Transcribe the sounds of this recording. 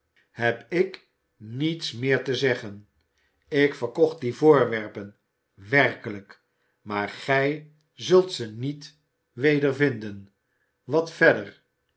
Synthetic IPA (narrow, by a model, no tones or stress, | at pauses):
hɛpɪk | nitsmɪːɹtəzɛχən | ɪkfəɹkɔχt̚divʊːɹʋɛɹpən | ʋɛrkələk | maːɹχɛj | zɵlˠtsənit | ʋejdəɹvɪndən | ʋɑtfɛdəɹ